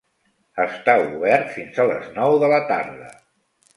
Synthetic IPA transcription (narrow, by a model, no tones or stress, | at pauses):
əst̪auβɛrt̪finzalə̰znɔwðələt̪aɾðə̰